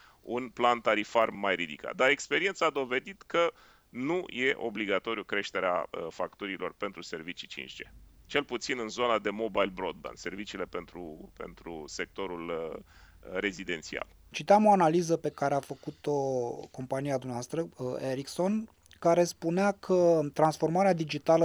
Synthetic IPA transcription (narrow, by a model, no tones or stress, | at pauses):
unplant̪aɾifarmajɾid̪ika̰t̪̚d̪aɾe̞kspe̞ɾie̞nt̪saːd̪o̞ve̞d̪it̪kə | nujʔe̞ʔo̞̰bliɡat̪o̞ɾijukɾe̞ʃt̪e̞ɾea̰əfakt̪uɾilo̞rpe̞nt̪ɾuse̞rvit͡ʃi̥t͡ʃḭnt͡ʃd͡ʒe̞t͡ʃe̞lput̪sinɨnzonad̪e̞mo̞bajlbɾo̞d̪̚ba̰nse̞rvit͡ʃiːle̞pe̞nt̪ɾupe̞̰nt̪ɾṵse̞k̚t̪o̞ɾul | re̞zid̪e̞nt̪sia̰lt͡ʃit̪iamo̞analizəpe̞kaɾeafəkut̪o̞ko̞mpaniad̪umnavast̪ɾəeɾikso̞n | kaɾe̞spuneakʰət̪ɾansfo̞rmaɾead̪id͡ʒit̪alə